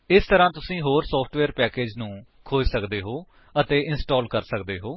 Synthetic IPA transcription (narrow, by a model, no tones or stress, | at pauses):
ɪst̪əɾãːt̪ʊsĩːɦoːɾsɔːpʰʈʋeːɾpɛːkeːd͡ʒnũː | kʰoːd͡ʒsəkd̪eːɦoː | ət̪eːʔɪnsʈoːlkəɾsəkd̪eːɦoː